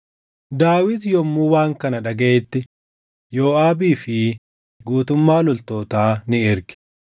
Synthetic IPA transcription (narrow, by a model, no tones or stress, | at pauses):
d̪aːwɪt̪jɔmːuːwaːŋkɐnɐᶑɐɡeːt̪ːɪ | jo̞ːaːbiːfɪ | ɡuːt̪ʊmːaːlʊlt̪o̞ːt̪aːnɪɪɾkɪ̥